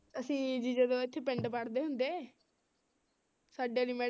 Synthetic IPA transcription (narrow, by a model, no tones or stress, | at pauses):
əsĩːd͡ʒid͡ʒed̪õːɪt̪ʰːeːpɪɳɖpəɽd̪eːɦʊnd̪eː | saːɖeliːmɛː